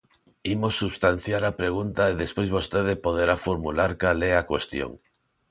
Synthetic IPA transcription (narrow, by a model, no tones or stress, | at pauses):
imosːuβst̪an̟θjaɾapɾeɣ̞unt̪aeðespwojzβost̪eðepoðeɾafoɾmulaɾkalɛakwest̪jo̰ŋ